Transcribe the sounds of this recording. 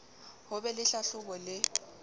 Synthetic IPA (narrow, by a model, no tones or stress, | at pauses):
hʊbɛlɪɬaɬʊbɔlɪ